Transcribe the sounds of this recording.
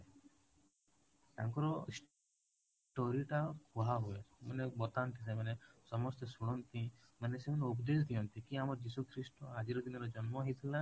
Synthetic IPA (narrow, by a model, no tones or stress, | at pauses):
t̪a̰ŋkɔɾɔis | ʈoɾiʈakʰuɦaɦuesʰɔmanebɔt̪ant̪ʰis̬emanesɔmɔst̪ɔsuɽ̃ɔnt̪imanesemaneubɔd̪es̬ɔd̪ʱijɔnt̪ʰikiamɔɾd͡ʒisukʰɾisʈɔad͡ʒiɾɔd̪inɔɾɔd͡ʒɔnmɔɦit̪ʰila